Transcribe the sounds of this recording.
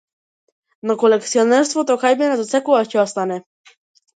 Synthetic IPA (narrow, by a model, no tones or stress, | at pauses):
nɔkolɛkt̪siɔnɛɾst̪vɔt̪ɔkajbɛnɛzɔt̪sɛkuvacɛast̪anɛ